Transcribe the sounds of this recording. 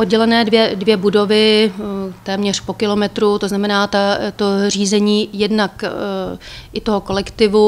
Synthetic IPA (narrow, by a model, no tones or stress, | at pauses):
ʔod̚ɟɛlɛnɛːdvjɛdvjɛbudo̞vɪ | t̪ɛːmɲɛr̝̥po̞kɪlo̞mɛt̪ɾut̪o̞znamɛnaːt̪at̪or̝iːzɛɲiːjɛdnak | ʔɪt̪o̞ɦoko̞lɛkt̪ɪvu